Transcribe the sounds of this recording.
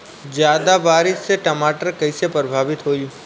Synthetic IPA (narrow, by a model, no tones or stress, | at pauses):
d͡ʒjad̪abaːɾɪsseʈəmaʈəɾkəjsepɾbʱaʋit̪ɦoi